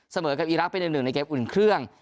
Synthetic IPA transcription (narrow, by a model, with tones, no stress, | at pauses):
sa˧mɤː˩˦ka˨˩ʔiː˨˧ɾa˦˥k̚pe˧nja˨˩nɯ˨˩ŋna˧jkeː˦˥p̚ʔu˨˩nkʰɾɯ˥˩əŋ